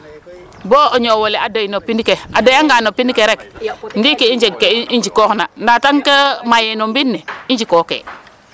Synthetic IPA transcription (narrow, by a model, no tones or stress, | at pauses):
boːoɲowoleadojnopinikeadojaŋɡanopinikeɾekŋɡikiiɲd͡ʒeŋkeiɲd͡ʒikoknanataŋkemajenombinːeiɲd͡ʒikokḛ